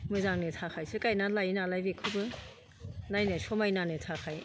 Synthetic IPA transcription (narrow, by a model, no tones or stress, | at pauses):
mɯzaŋnɯtʰakʰajsɯkajnalajnalajbekʰɯbɯ | najnasʰɔmajnanɯtʰakʰaj